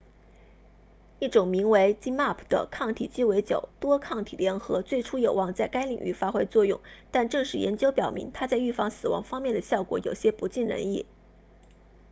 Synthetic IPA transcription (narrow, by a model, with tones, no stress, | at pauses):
i˥˩ʈ͡ʂʊ˨˩ŋmi˧˥ŋwe˧˥ɪt͡ɕi˥ma˥˩pʰd̪̥ə̰˩kʰɑ˥˩ŋt̪ʰḭ˨˩t͡ɕi˥we˧˥ɪt͡ɕjo̰˨˩ʊt̪wɔ˥kʰɑ˥˩ŋt̪ʰḭ˨˩ljɛ˧˥nxɤ˧˥t͡swe˥˩ɪʈ͡ʂʰu˥jo˨˩ʊwɑ˥˧ŋt͡sa˥˩ɪka˥ɪli˨˩ŋy̰˥˩fa˥xwe˥ɪt͡swɔ˥˧jʊ̰˥˩ŋt̪a˥˧nʈ͡ʂɤ˥˧ŋʂɻ̩˥˩jɛ̰˧˥nt͡ɕjo˥ʊpjɑ˨˩ʊmḭ˧˥ŋt̪ʰa˥t͡sa˥˧ɪy˥˩fɑ˥˩ŋsɹ̩˨˩wɑ̰˧˥ŋfɑ˥ŋmjɛ˥˩nd̪ə˩ɕjɑ˥˩ʊkwɔ̰˧˥jo˨˩ʊɕjɛ˥pu˧˥t͡ɕi˥˩nɻə̰˧˥ni˥˩